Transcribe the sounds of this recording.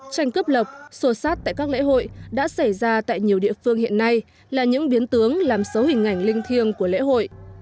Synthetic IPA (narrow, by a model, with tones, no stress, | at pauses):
t͡ɕa˧jŋ̟kə˦˥p̚lə˨˩p̚so˧˩saː˦˥t̚t̪a̰ː˧˨jkaː˦˥k̚lḛ˧˥ɦo̰˧˨jɗa̰ː˧˥sa˧˩jzaː˧t̪a̰ː˧˨jɲi˨˩əwɗḭ˧˨əfɨ˧əŋhḭ˧˨ənːa˧j | laː˨˩ɲɨ̰˧˥ŋɓi˨˦ənt̪ɨ˨˦əŋlaː˨˩msə˨˦whï˨˩ŋ̟ʔa˧˩jŋ̟lï˧ŋ̟t̪ʰi˧əŋku˧˩əlḛ˧˥ɦo̰˧˨jʔ